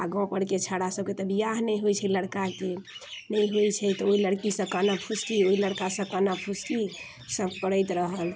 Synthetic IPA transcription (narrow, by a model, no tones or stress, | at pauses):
aɡɔ̃pəɽket͡ʃʰaɽasəb̚ket̪əbijaɦnɛjɦojt͡ʃʰɛləɽkakenɛjɦojt͡ʃʰɛt̪ɔoiləɽkisə̃kanapʰuskioiləɽkasə̃kanapʰuski | səbkəɾəjt̪ɾəɦəl